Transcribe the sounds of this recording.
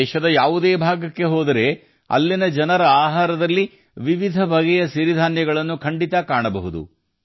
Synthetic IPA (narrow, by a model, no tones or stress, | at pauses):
ʃɐd̪ɐjaːʋud̪eːbʱaːɡɐkːe̞ɦoːd̪ɐɾe̞ | ɐ̰lːinɐd͡ʒɐnɐɾɐaːɦaːɾɐd̪ɐlːi | ʋiʋid̪ʱɐbʱɐɡɛjɐʃiɾid̪ʱaːnjɐɡɐɭɐnːukʰɐɳɖit̪ɐkaːɳɐbɐɦud̪ṵ